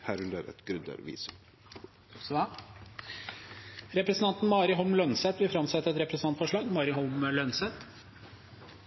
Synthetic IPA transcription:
hæɾʉləɾɛ̰t̪ɡ̥ɾʉnd̪ə̰ɾʋḭːs | s | ɾɛpɾɛsnt̪ɑnt̪n̩mɑːɾɪɦɔlmlœnsɛt̪ʋɪfɾɑmsɛt̪ːəɾɛt̪ɾɛpɾəsn̩ɑnt̪fɔʂɭɑːɡmɑːɾɪɦɔlməlœnsɛt̪

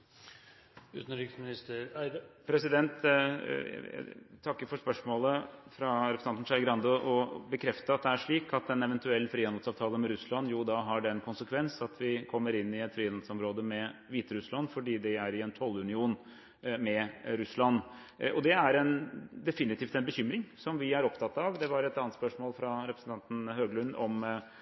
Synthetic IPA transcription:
ʉ̰ːt̪n̩ɾɪksmɪnɪst̪əpʰɾɛsɪd̪ɛnt̪ | æ̰t̪ʰɑkːəɾfɔʂpœʂmoːləfɾɑɾpsnɑnnʂɑɪɡɾɑnd̪ɔʔɔbəkʰɾɛft̪əɑt̪̚d̪ɛæʂɭiːkʰɑt̪̚d̪ɛnɛʋɛnt̪ʉɛlːfɾiːɑnl̩sɑːʋt̪ʰɑːləmɛɾʉslɑnːjuːd̪ɑːɦɑɖɛnkʰʊnsəkʰʋɛnsɑt̪ʰʋɪkʰɔmːəɾɪnːɪɛt̪fɾiːɑn̩sɔmɾoːd̪əmɛʋiːt̪əɾʉslɑnːfɔɖiːd̪ɛæɾɪɛnt̪ʰɔlːʉnɪuːn | mɛɾʉslɑnː | ʔɔd̪ɛæɾɛnd̪ɛfɪnɪt̪ʰiːft̪ɛnbəçʏmɾɪŋsɔmʋɪæɾɔpt̪ʰɑt̪ːɑʋd̪ɛʋɑɾɛt̪ɑnət̪spœʂmoːlfɾɑɾɛpɾəsn̩t̪ɑnt̪n̩høːɡlʉnːɔm

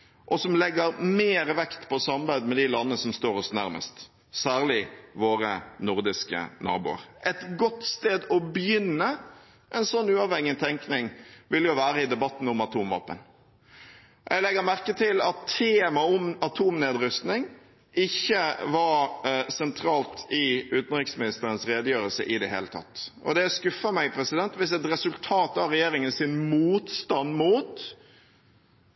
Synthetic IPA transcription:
ʔɔsɔmlɛɡːəɾmeːɾəʋɛkt̪pʰɔsɑmbæɪd̪mɛd̪ɪlɑnəəsɔmst̪oːɾɔsnæɾmə̰st̪ | sæːʁlɪʋoːɾənʊɾd̪ɪskə̰nɑ̰ːbʊ̰ːə̰ɾʔɛt̪ɡɔt̪st̪eːd̪ɔbjʏnːə | ʔɛnsɔnːʉːɑːʋhɛŋɪt̪ʰɛŋknɪŋʋɪljʊʋæːɾəɪd̪ɛbɑt̪ːn̩ɔmɑt̪ʰuːmʋɑ̰ːpə̰n | ʔɛ̰lɛɡəɾmæɾkət̪ʰɪlɑt̪ʰːeːmɑɔmɑt̪ʰuːmneːd̪ɾʏst̪nɪŋ | ɪçːəʋɑɾsɛnt̪ʰɾɑːlt̪ɪʉːt̪n̩ɾɪksmɪnɪst̪əɾənsɾeːd̪əjøːɾəlsə̰ʔɪd̪ɛɦḛːlət̪ʰɑ̰t̪ːʔɔ̰d̪ɛskʉfːəmæɪpʰɾɛsɪd̪ɛnt̪ʋɪsɛt̪ɾɛsʉlt̪ʰɑːt̪ɑʋɾɛjeːɾɪŋənsɪnmuːt̪st̪ɑnːmuːt̪

